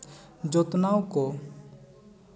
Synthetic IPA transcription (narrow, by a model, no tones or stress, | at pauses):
d͡ʒɔt̪nawkɔ